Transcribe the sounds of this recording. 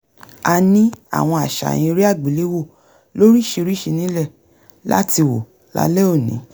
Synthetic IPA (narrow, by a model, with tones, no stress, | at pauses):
a˧nĩ˦a̰˦˨w̃ɔ̃˧a˨ʃa̰˨j̃ĩ˧ɾi˦a˦˨ɡ͡bi˨li˨˦wo˦˨ | lo˦ɾi˦ʃe˧ɾi˦ʃi˧nĩ˨˦lɛ˦˨ | la̰˦ti˧wo̰˨ | la̰˦lɛ˦o˦˨nḭ̃˨˦